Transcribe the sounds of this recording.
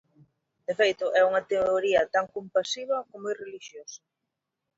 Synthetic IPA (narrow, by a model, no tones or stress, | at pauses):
d̪efejt̪ʊʔɛuŋɐt̪eoɾiɐt̪aŋkompasiβ̞ɐkomojreliʃjosɐ̥